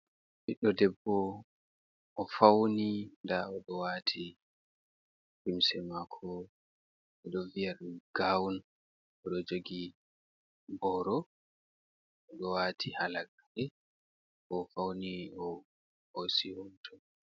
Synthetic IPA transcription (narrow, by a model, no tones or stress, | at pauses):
ʔiɗɔdɛbːɔ | ʔɔfawnindaɔɗɔwatʰi | kimsɛmakʰɔ | ɛɗɔvijaɾɡ̥awun | ʔɔɗɔd͡ʒoɡi | bɔːɾɔ | ʔɔɗɔwatʰihalaɡaɗɛ | ɔfawniɔ | hosihumtʰɔn